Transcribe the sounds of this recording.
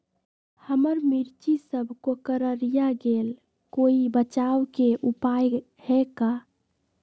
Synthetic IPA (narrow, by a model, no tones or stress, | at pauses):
həməɾmiɾt͡ʃisəbʱkokəɾəɾijaɡel | koibət͡ʃawkeʔupaj | hɛka